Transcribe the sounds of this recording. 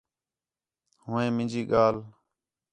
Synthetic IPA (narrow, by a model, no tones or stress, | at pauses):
hʊ̃ːẽːmɪ̃nd͡ʒiːɠaːl